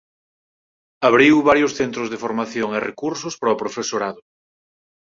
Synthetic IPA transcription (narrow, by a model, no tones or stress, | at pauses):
aβɾiwβaɾjʊsθent̪ɾʊzðefoɾmaθjoŋerḛkuɾsʊspɾapɾofesoɾaðʊ